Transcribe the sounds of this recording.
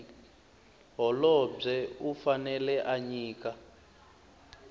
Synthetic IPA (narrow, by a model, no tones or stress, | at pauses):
ɦɔlɔb͡ʐɛufanɛlɛʔaɲiːka